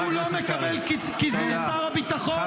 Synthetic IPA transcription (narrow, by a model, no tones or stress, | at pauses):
ulomekabɛl | kizusaʁabit̪aχo